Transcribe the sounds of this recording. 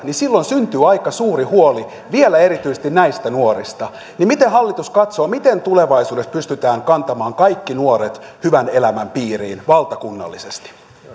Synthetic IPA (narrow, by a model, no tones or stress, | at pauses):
nisilːonsynt̪yːɑjkɑsuːɾihuoli | ʋielæe̞ɾit̪yjse̥st̪inæjst̪ænuoɾist̪ɑ | nimit̪ehɑlːit̪uskɑt̪soːmit̪ent̪ule̞ʋɑisuːdespyst̪yt̪æːŋkɑnt̪ɑmɑːŋkɑjkːinuoɾet̪hyʋæne̞læmæmpiːɾḭːnʋɑlt̪ɑkunːɑ̰lːisest̪i̥